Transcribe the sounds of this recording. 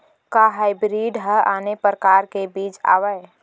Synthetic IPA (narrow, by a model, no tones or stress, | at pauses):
kaɦaɪbɾiːɖɦəʔaːnepɾəkaːɾkebiːt͡ʃa̰ːʋəe